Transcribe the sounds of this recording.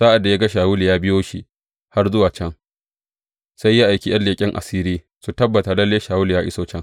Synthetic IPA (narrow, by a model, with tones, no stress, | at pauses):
sa˦ʔa˨dːa˨ja˦ɡa˦ʃaː˨wu˦li˨jaː˦bɪ˦joː˦ʃḭ˦ | ha˦rzʊ˦waː˨t͡ʃɛ˦ŋ | sa˦jːa˦ʔa˨jkʲi˦j̰ɐ˦nlːeː˨kʲʼɪ˦ŋʔa̰˨siː˦ɾiː˦ | su˨tɐ˦bːɐ˨ta˨lɐ˦lːeː˦ʃaː˨wʊ˦li˨jaː˦ʔɪ̰˦soː˦t͡ʃɛ˦ŋ